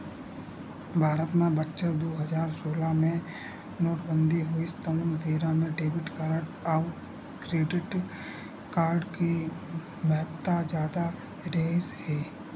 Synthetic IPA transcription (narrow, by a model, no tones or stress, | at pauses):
bʱaːɾət̪mẽbətːʃəɾd̪oːɦəzaːɾsoːlamẽ | noːʈbə̃nd̪ʱiɦoist̪ənnbeːɾãmẽɖeːbɪʈkaːɾəɖaʋ | kɾeːɖɪʈ | kaːɾɖki | mɛɦt̪ːad͡ʒjaːd̪a | ɾeːshɛː